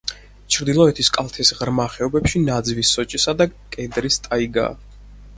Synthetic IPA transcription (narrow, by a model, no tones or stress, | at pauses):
t͡ʃʰɾd̪ilˠɔɛt̪ʰiskʼalˠt̪ʰɛsʁɾmaχɛɔbɛpʃinad̪zvisːɔt͡ʃʼisad̪akʼɛd̪ɾist̪ʼaiɡa̰ː